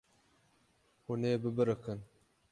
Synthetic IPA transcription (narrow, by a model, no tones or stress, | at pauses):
huneːbɨbɨɾɨkɨn